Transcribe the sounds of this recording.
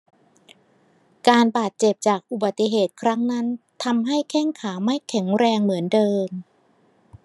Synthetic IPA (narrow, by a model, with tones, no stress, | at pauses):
kaː˧nbaː˨˩t̪̚t͡ɕe˨˩p̚t͡ɕaː˨˩k̚ʔu˨˩ba˨˩t̪ːi˧˩ɦeː˨˩t̪̚kʰɾa˦˥ŋna˦˥nt̪ʰa˧mɦa˥˩jkʰɛ˥˩ŋkʰaː˩˦ma˥˩jkʰɛ˩˦ŋɾɛː˧ŋmɯ˩˦əndɤː˧m